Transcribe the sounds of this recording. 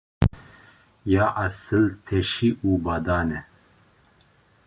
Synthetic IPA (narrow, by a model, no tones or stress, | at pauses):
jaːʔasɨlt̪ʰɛʃiʔuːbaːd̪aːnɛ